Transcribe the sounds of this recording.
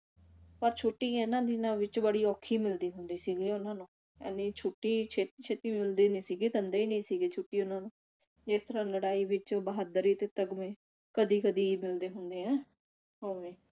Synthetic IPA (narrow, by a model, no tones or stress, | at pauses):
pəɾt͡ʃʰʊʈːiːeːnãːd̪inãːʋɪt͡ʃbəɽiːɔːkʰiːmɪld̪iːɦʊnd̪iːsiːɡleːʊnãːnũː | ɛ̰niːt͡ʃʰoːʈːiːt͡ʃʰeːt̪iːt͡ʃʰeːt̪iːmɪld̪eːnĩːsiːɡeːt̪ənd̪eːiːnĩːsiːɡeːt͡ʃʰʊʈːiːʊnãːnũː | d͡ʒɪst̪əɾãːləɽaːiːʋɪt͡ʃbəɦaːd̪əɾiːt̪eːt̪əɡmẽː | kəd̪iːkəd̪iːmɪld̪eːɦʊnd̪eːɦɛ̃ː | ɦoːʋẽː